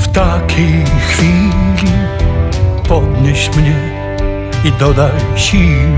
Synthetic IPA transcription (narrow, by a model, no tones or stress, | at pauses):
ft̪akʰixfili | pɔd̪ɲʲɛʃmɲe | id̪ɔd̪aʃi